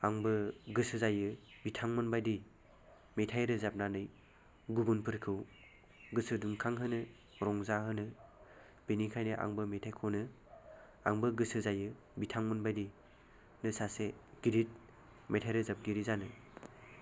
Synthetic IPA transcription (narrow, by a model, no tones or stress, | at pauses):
aŋbɯɡɯsɯzajɯbitʰaŋmɯnbajdi | metʰajɾɯzap̚nanɯj | ɡubunpʰɯɾkʰɯw | ɡɯsɯdumkʰaŋɦɯnɯ | ɾɔŋzaɦɯnɯ | benikʰajnɯʔa̰ŋbɯmetʰajkʰonɯ | a̰ŋbɯɡɯsɯzajɯ | bitʰaŋmɯnbajdi | nɯsaseɡ̥iɾit̚ | metʰajɾɯzap̚ɡiɾizanɯ